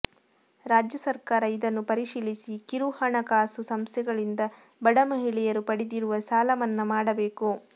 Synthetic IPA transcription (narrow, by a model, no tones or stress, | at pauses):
ɾaːd͡ʒjɐsɐɾkaːɾɐid̪ɐnːupɐɾiʂiːlisikiɾuhɐɳɐkaːsusɐmst̪ʰɛɡɐɭind̪ɐ | bɐɽɐmɐɦiɭɛjɐɾupɐɽid̪iɾuʋɐsaːlɐmɐnːɐmaːɽɐbe̞ːku